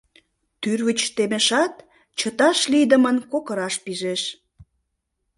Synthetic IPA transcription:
t̪yrβət͡ɕt̪emeʃɑt̪ | t͡ɕət̪ɑʃlid̪əmənkokəɾɑʃpiʒeʃ

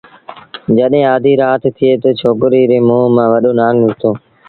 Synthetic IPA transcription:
d͡ʒəɗɦẽːaːd̪ʱiːɾaːt̪t̪ʰɪeːt̪oːt͡ʃʰoːkɾiːɾeːmũːɦmãːʋəɗoːnaːŋɪzt̪oː

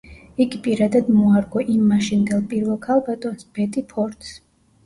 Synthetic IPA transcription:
iɡipʼiɾad̪ad̪mɔaɾɡɔʔimːaʃind̪ɛlˠpʼiɾvɛlˠkʰalˠbat̪ʼɔnsb̥ɛt̪ʼipʰɔɾt̪ʰs

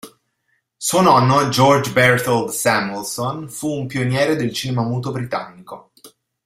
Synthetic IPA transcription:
suonɔnːod͡ʒɔrd͡ʒbɛrt̪old̪sɛmulsonfuːmpionjɛːɾed̪elt͡ʃiːnemamuːt̪obɾit̪a̰nːiko

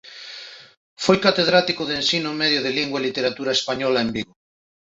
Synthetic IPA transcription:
fojkat̪eðɾat̪ikʊðensinʊmeðjʊðeliŋɡwaelit̪eɾat̪uɾaespaɲɔlaembiɣo

